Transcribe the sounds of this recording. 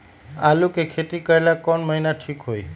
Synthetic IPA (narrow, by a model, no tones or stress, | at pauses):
a̰lukekʰet̪ikəɾelakɔɳməɦinaʈʰikɦoj